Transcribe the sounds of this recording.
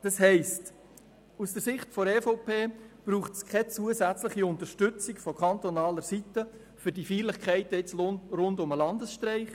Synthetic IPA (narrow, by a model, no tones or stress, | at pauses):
d̥ɑsɦɛɪst | usd̥əɾsɪχtfɔɾɛːfopʰeːb̥ɾuːχtskʰɛt͡suəsæt͡sləχiʊntəɾʃtʏt͡sɪkfɔkʰɑntɔnɑːləɾsitə | fʏɾdifiːlɪχkʰɛɪtəɪt͡sonɾʊndʊməlɑndəsʃtɾɛɪχ